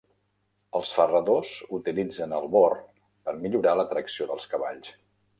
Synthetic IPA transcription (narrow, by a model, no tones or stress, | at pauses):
əlˠsfərəðozut̪ilid͡zənəlˠβɔr | pəɾmiʎuɾalət̪ɾəksioðəlˠskəβa̰ʎs